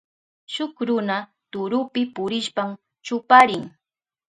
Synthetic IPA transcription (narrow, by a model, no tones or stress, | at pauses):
ʃʊkɾʊna | t̪ʊɾʊpɪpʊɾɪʃpam | t͡ʃʊpaɾɪŋ